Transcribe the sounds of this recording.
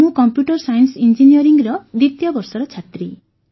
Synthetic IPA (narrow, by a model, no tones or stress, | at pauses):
ukɔmpjuʈɔɾsajnsind͡ʒinijɔɾiŋɡɾɔd̪it̪jɔbɔɾsɔɾɔt͡ʃʰat̪ɾi